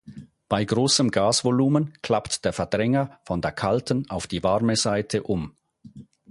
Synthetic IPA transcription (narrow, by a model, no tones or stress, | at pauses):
b̥aɪɡʁoːsəmɡaːsvoluːmənkʰl̥aptd̥eːɐfɛɐdʁɛŋɐfɔndeːɐkʰaltən̩aʊfd̥iːvaʁməz̥aɪtʰəʔʊm